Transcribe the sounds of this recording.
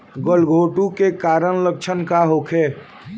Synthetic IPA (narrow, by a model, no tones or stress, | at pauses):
ɡəlɡʱoʈukekaɾəɽ̃lək̚t͡ʃʰənkaɦokʰe